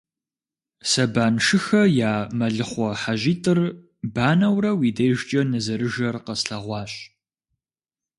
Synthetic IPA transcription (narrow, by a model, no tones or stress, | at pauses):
sɐbaːnʂɨxɐjaːmɐɮɨχʷɔħaʑiːtʼɨr | baːnɐwrɐwiːdɐjʒt͡ʃʼɐnɨzɐɾɨʒɐrqɐsɬɐʁʷɑːɕʼ